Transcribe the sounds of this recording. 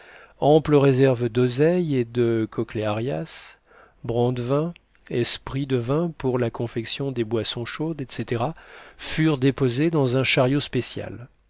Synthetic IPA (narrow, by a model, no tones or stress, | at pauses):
ɑ̃pləʁezɛʁvd̪ɔzɛjed̪əkʰɔkleaʁjas | bʁɑ̃d̪vɛ̃ | ɛspχid̪əvɛ̃puʁlakɔ̃fɛksjɔ̃d̪ebwasɔ̃ʃod̪ɛt̪set̪eʁafyʁd̪epozed̪ɑ̃zɛ̃ʃaʁjospesja̰l